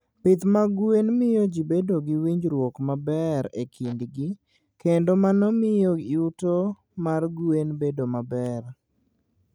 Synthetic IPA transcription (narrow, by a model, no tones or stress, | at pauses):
pɪt̪maɡuenmɪjod͡ʒibedoɡɪwiɲd͡ʒɾwɔkmabɛɾekʰindɡɪ | kendomanɔmɪjoɪuto | marɡuenbedomabɛr